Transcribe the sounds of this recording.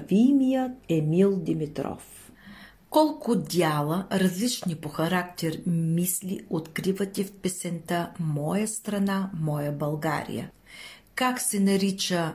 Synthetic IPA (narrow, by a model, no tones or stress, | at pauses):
vimijət̪̚ɛmilˠd̪imit̪ɾɔ̰f | kɔlˠkʊd̪ʲalˠəɾɐzlit͡ʃnipoxɐɾakt̪ɛɾmislʲḭot̪kɾivət̪ʲifpɛsɛnt̪amɔjəst̪ɾɐnamɔjəbɐlˠɡa̰ɾḭjə̰ | kaksɛnɐɾit͡ʃə